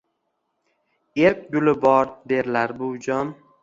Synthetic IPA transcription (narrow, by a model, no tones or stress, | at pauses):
eɾk̚ʲɡʲʊlɪbɒɾd̪eɾlaɾbʊwd͡ʒɒm